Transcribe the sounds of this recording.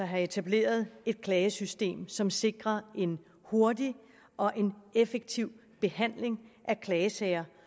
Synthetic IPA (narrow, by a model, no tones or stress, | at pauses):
ɐɦɑ̈e̝t͡sʰæb̥le̝̰ːɐð̞̩ˠe̝d̥̚kʰlɛːəsysd̥e̝̰ːmsɒ̽mse̝ɡ̥ʁɐe̝n | ho̝ɐdi | ʔɒ̽ʔe̝nefeɡ̥̚t͡sʰiʊ̰ | b̥e̝hæn̰le̝ŋʔækʰlɛːəsɛɪɐ